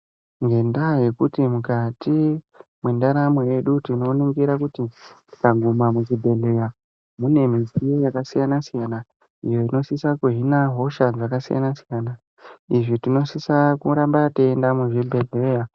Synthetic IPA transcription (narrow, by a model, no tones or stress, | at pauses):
ŋɡe̞ndaje̞kutimukatʰi | mwendaɾameje̞ɗutino̞niŋɡiɾakutiti̥kaɡʱumamuʐibʱe̞ɮe̞ja | mune̞misijojakasijanasijana | ijo̞ino̞sisakuɦinaɦo̞ʃad͡zakasija̰nasijana | iʐitino̞sisakuɾambateendamuʐibʱe̞ɮeja